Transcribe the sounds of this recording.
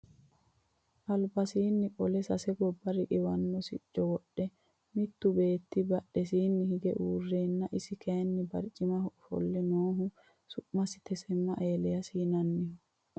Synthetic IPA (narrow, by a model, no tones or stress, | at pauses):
ʔɐlbɐsiːnːɪkʼɔlɛsɐsɛɡɔbːɐɾɪʔɪwɐnːɔsɪt͡ʃːɔwɔɗːɛ | mɪt̪ːʊbeːt̪ːibɐɗːɛs̬iːnːɪhɪɡɛ̰ʔuːrːeːnːɐʔɪsɪkeːnːɪbɐɾt͡ʃʼɪmɐhfɔ̰lːɛnoːɦʊ | sʊʔmɐsɪ̥t̪ɛsɛmːɐʔeːlɛjɐsiːnɐnːɪhʊ